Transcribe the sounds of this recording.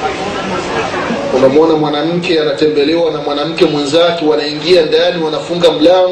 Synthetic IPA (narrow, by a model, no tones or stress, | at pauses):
umɛmɔnamwanam̩kɛanatɛmbɛlɛwanamwanam̩kɛmwɛnzakɛwanaiŋɡiandaniwanafuŋɡam̩la